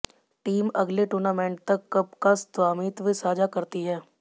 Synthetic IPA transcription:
ʈiːmɐɡleʈʊɾnaːmɛ̃ːɳʈ̚t̪ɐkːɐb̚kasd̪waːmiːt̪ʋisaːd͡ʒakɐɾt̪iɦɛː

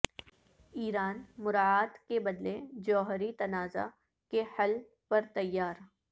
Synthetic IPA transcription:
iːɾaːnmʊɾaːaːt̪kebɐd̪led͡ʒɔːɦɾit̪ɐnaːza̰ | kehɐl | pɐɾt̪ɐjːaːɾ

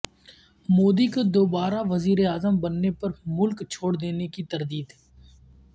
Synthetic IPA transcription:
moːd̪ikod̪oːbaːɾaʋɐziːɾeaːzəmbɐnːepɐɾmʊlkt͡ʃʰoːɽd̪eːnekit̪ɐɾd̪iːd̪ɦ

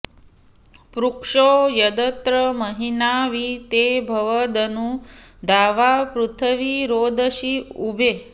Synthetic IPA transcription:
pɾukʂojəd̪ət̪ɾəməɦinaʋit̪ebʱəʋəd̪ənũd̪ʱaʋapɾut̪ʰəʋiɾod̪əʃiubʱe

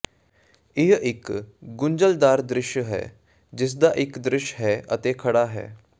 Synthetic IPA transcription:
ɪɦɪkɡʊɲd͡ʒəld̪aːɾd̪ɾɪʃɦɛ̰ː | d͡ʒɪs̬d̪aːʔɪkd̪ɾɪʃɦɛːʔət̪eːkʰəɽaːɦɛ̰ː

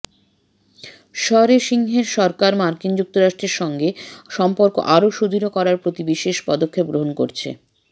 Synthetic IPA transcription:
ʃɔɾeʃiŋɦeɾʃɔɾkaɾmaɾkind͡ʑuk̚t̪oɾaʃʈɾeɾʃɔŋɡeʃɔmpoɾko̰ʔaɾoʃud̪ʱiɾokɔɾaɾpɾot̪ibiʃeʃpɔd̪okʰːep̚ɡɾoɦonkoɾt͡ɕʰḛ

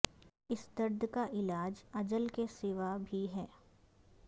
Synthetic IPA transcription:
ɪsd̪ɐɾd̪ʱkaʔɪlaːd͡ʒɐd͡ʒəlkesɪːʋabʱiɦɛː

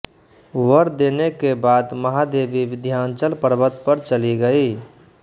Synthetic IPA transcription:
wəɾd̪eːnekebaːd̪mɐɦad̪eːʋiʋɪd̪ʱjaːnt͡ʃəlpəɾbət̪pəɾt͡ʃəliɡəiː

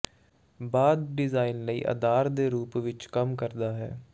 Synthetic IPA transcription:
baːd̪ɖɪzaːinləḭːʔə̰d̪aːɾd̪eːɾuːpʋɪt͡ʃkəmkəɾd̪aːɦɛ̰ː

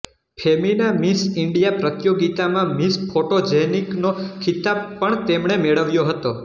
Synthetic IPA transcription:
pʰeminamisɪɳɖijapɾət̪joɡit̪amãmispʰoʈod͡ʒeniknokʰit̪ab̚pːəɳt̪emɳemeɭəʋjoɦət̪o

